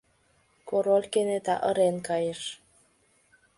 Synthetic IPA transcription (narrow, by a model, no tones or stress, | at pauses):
koɾolʲkenet̪ɑ̰ʔəɾenkɑjəʃ